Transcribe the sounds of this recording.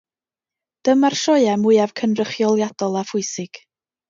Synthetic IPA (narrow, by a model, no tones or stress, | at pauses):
d̥əmarʃɔɨamʊɨav̥kʰənrəχjɔlˠjad̥ɔlˠafʊɨsɪɡ̥